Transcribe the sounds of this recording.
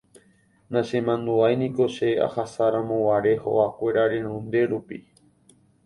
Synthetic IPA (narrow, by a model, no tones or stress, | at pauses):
nãʃẽ̞mãnd̪ũajnĩko̞ʃe̞a̰hasaɾãmõwaɾe̞ho̰ʔakʷe̞ɾaɾe̞nõnd̪e̞ɾupi